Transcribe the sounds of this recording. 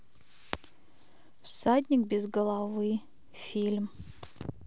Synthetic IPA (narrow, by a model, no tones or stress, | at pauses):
wsatnʲɪkbʲezɡɐlˠavɨ | fʲilʲm